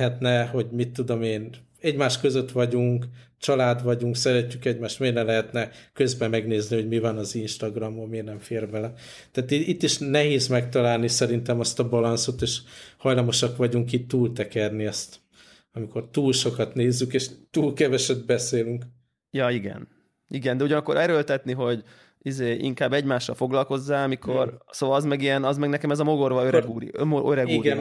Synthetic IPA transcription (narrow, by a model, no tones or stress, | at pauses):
ɛt̪nɛho̞ɟmit̪ːud̪o̞meːn | ɛɟmaːʃkø̞zø̞t̪ʋɒɟuŋkt͡ʃɒlaːd̪ʋɒɟuŋksɛɾɛcːykɛɟmaːʃt̪meːrnɛmlɛɦɛt̪nɛkø̞zbɛmɛɡneːzniho̞ɟmivɒnɒzinʃt̪ɒɡrɒmomeːrnɛɱfeːrbɛlɛ | t̪ɛːt̪iit̪ːiʃnɛɦeːzmɛkt̪ɒlaːlnisɛɾint̪ɛmɒst̪ɒbɒlɒnso̞t̪eːʃhɒjlɒmo̞ʃɒkʋɒɟuŋkit̪ːuːlt̪ɛkɛrniɛst̪ | ɒmiko̞rt̪uːlʃo̞kɒt̪neːzːykeːʃt̪uːlkɛvɛʃɛd̪̚bɛseːlyŋk | jɒiɡɛ̰n | iɡɛnd̪ɛuɟɒnɒkːo̞ɾʔɛɾølt̪ɛt̪niɦo̞ɟ | izeːʔḭŋkaːbːɛɟmaːʃːɒ̰lfo̞ɡlɒlko̞zːaːɒmikʰo̞rsoːvɒlɒzmɛɡijɛnɒzmɛɡnɛkɛmɛzɒmo̞ɡo̞rʋɒøɾɛɡuːɾḭmoøɾɛɡiɡɛn